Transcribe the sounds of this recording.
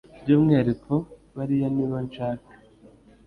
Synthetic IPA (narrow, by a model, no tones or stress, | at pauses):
bɟomŋeɾikoβaɾijaniβant͡ʃaːko̥